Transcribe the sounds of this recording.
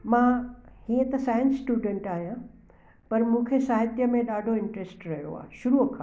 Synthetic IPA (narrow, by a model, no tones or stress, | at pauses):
mãhiːə̃t̪ɐsaːjə̃nsːʈuːɖə̃ɳʈaːɦijã | pɐɾmũkʰesaːɦɪt̪jəmẽɗaːɖʱoɪ̃ɳʈɾesʈɾɐɦjo̰a̰ːɦʃʊɾuɐkʰaː